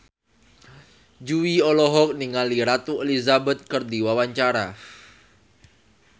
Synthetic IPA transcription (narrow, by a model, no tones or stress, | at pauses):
d͡ʒuiɔlɔɦɔk̚niŋaliɾat̪uelizabɛt̪̚kərdiwawaɲt͡ʃaɾa